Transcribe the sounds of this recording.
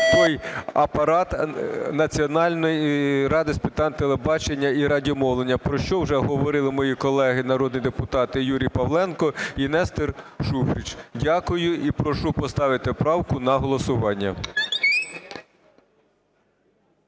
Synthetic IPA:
t̪ɔjɐpɐɾɑt̪nɐt͡sʲiɔnɑlʲnɔjiɾɑd̪ɪspɪt̪ɑnt̪elˠebɑt͡ʃenʲːɐiɾɑdʲimɔlˠenʲːɐpɾɔʃt͡ʃɔwʒɛɦɔʋɔɾɪlˠɪmɔjikɔlˠɛɦɪnɐɾɔd̪nʲijd̪epʊt̪ɑt̪ɪjuɾʲijpɐʋlˠɛnkɔinɛst̪ɪrʃufɾʲit͡ʃdʲɑkʊjʊipɾɔʃupɔst̪ɑʋɪt̪ɪpɾɑwkʊnɐɦɔlˠɔsʊʋɑnʲːɐ

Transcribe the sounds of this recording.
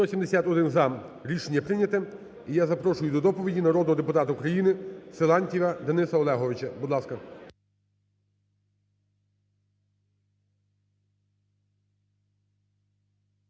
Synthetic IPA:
ɔsʲimd̪esʲat̪ɔd̪ɪnzɑm | ɾʲiʃenʲːɐpɾɪnʲɐt̪ɛ | ijazɐpɾɔʃʊjʊd̪ɔd̪ɔpɔʋʲidʲinɐɾɔd̪nɔɦɔd̪epʊt̪ɑt̪ɐukɾɐjinɪselˠɑnʲtʲiʋɐd̪ɐnɪsɐɔlˠɛɦɔʋɪt͡ʃɐbud̪lˠɑskɐ

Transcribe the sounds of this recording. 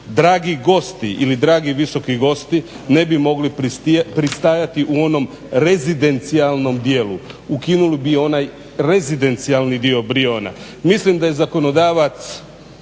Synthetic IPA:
d̪ɾaːɡiɡo̞st̪iʔilid̪ɾaːɡiʋiso̞kiɡo̞st̪i | ne̞bimo̞ɡlip̪pɾist̪aːjat̪iʔuo̞no̞m | ɾe̞zid̪e̞nt̪sialˠno̞md̪je̞ːluukinulibio̞naj | ɾe̞zid̪e̞nt̪sialnid̪io̞bɾio̞ːna̰ | mislimd̪aje̞zako̞no̞d̪aːʋat̪s

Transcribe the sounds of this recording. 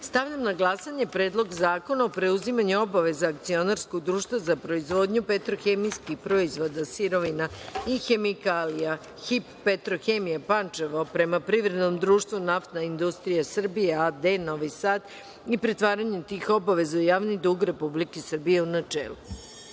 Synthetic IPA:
st̪aʋʎamnaɡlˠasaɲe̞pɾeːd̪lˠo̞ɡzaːko̞naopɾe̞uzimaɲuo̞baʋe̞zaːk̚t̪sio̞naɾskoɡ̚d̪ɾuːʃt̪ʋazapɾo̞izʋo̞ːd̪ɲupet̪ɾoxemijskixpɾoizʋo̞d̪asiɾo̞ʋinaixe̞mikaːlija | xipːet̪ɾoxemijapant͡ʃeʋopɾe̞mapɾiʋɾe̞d̪no̞md̪ɾuːʃt̪ʋunaft̪naind̪ust̪ɾijasr̩bijead̪eno̞ʋisaːd̪ | ipɾet̪ʋaːɾaɲut̪iːxo̞baʋe̞zaujaːʋnid̪uːɡɾe̞publikesr̩bijeunat͡ʃḛːlu

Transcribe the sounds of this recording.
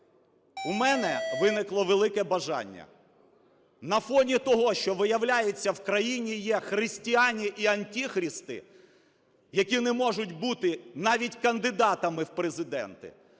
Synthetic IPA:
umɛnɛʋɪnɪklˠɔʋelˠɪkɛbɐʒɑ̰nʲːɐ̰ | nɐfɔnʲit̪ɔɦɔʃt͡ʃɔʋɪjɐwlʲajet͡sʲːɐwkɾɐjinʲijɛxɾɪsʲtʲianʲiʔiɐnʲtʲixɾʲist̪ɪ̰ | jɐkʲinɛmɔʒʊtʲbut̪ɪnɑʋʲitʲkɐnd̪ɪd̪ɑt̪ɐmɪwpɾezɪd̪ɛ̰nt̪ɪ̰

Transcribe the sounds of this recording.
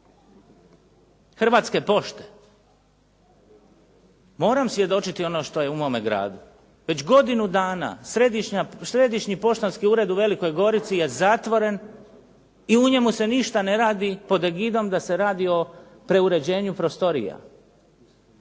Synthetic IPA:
xr̩ʋaːt̪ske̞po̞ʃt̪e̥ | mo̞ːɾamsʋje̞d̪o̞t͡ʃit̪io̞no̞ːʃt̪o̞je̞umo̞ːmeɡɾa̰ːd̪u | ʋe̞t͡ɕɡo̞d̪inud̪aːna̰sɾed̪iʃɲasɾe̞d̪iʃɲipo̞ʃt̪onskiuːɾe̞d̪uʋe̞liko̞jɡo̞ɾit̪sije̞zaːt̪ʋo̞ɾe̞n | iuɲe̞muse̞niʃt̪ane̞ɾaːd̪ipo̞d̪eɡid̪o̞md̪ase̞ɾaːd̪io̞ | pɾe̞uɾe̞d͡ʑe̞ːɲupɾo̞st̪o̞ɾḭja̰

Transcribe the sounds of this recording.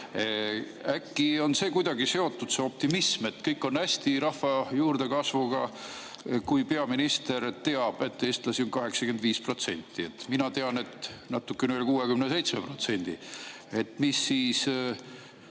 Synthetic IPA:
ækːio̞nse̞ːkujd̪̥ɑɡise̞o̞t̪ːud̪̥seo̞p̚t̪imisme̞t̪ːkɤjkːˑo̞næsʲt̪iɾɑhvɑjuːrd̪̥e̞kɑsvuɡ̥ɑ | kujpe̞ɑminist̪e̞ɾt̪e̞ɑb̥e̞t̪ːeːst̪lɑsionkɑɦe̞ksɑkend̪viːspro̞t̪se̞̰nʲt̪ːˑie̞t̪ːˑminɑt̪e̞ɑne̞t̪nɑt̪ːˑukːeneelʲkuːekymnese̞jt̪smepro̞t̪se̞nʲd̪̥ḭ | e̞t̪ːmisːiːs

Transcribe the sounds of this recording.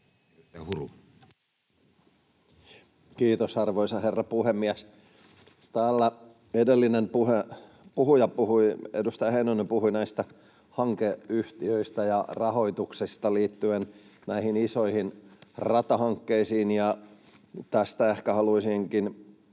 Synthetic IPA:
ehuru | kiːt̪osɑrʋoisɑherːɑpuhemːiæs | t̪æːlːæ | edelːinempuhe | puhujɑpuhuiḛdust̪ɑjɑheinonempuhuinæist̪æ | hɑŋkeyht̪iøist̪æjɑrɑhoit̪uksist̪ɑliːt̪ːyennæihinisoihinrɑt̪ɑhɑŋkːeisiːnjɑ | t̪æst̪æehkæhɑluisiŋkin

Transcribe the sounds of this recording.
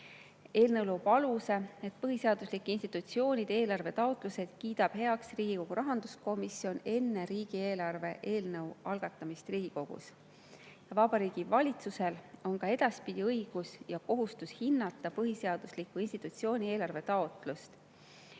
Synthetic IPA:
e̞ːlnɤwlowb̥ɑluse̞e̞t̪pɤɦise̞ɑd̪̥uslikːˑinst̪i̥t̪ːˑut̪sio̞ːnʲid̪̥e̞ːlɑrve̞t̪ɑot̪ˑluse̞d̪̥kiːd̪̥ɑb̥ɦe̞ɑksriːɡ̥iko̞ɡ̥uɾɑɦɑnd̪̥usko̞misio̞ne̞nːe̞ɾiːɡ̥ie̞ːlɑrve̞ʔe̞ːlnɤwɑlɡ̥ɑt̪ːˑɑmist̪riːɡ̥iko̞ɡ̥ṵs | jɑvɑb̥ɑɾiːɡ̥ivɑlʲit̪suse̞lo̞nkɑe̞d̪̥ɑspid̪̥ʲiɤiɡ̥usjɑko̞ɦust̪ushinːɑt̪ːˑɑpɤɦise̞ɑd̪̥uslikːˑuinst̪i̥t̪ːˑut̪sio̞ːnʲie̞ːlɑrve̞t̪ɑot̪ˑlust̪

